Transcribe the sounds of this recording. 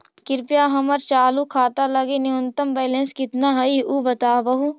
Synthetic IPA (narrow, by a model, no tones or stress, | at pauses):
kɪɾpijaːɦɐməɾt͡ʃaːlukʰaːt̪alɐɡeniʊnt̪əmbɛːlẽːnskɪt̪naɦɐiuːbɐt̪aːʋɐɦu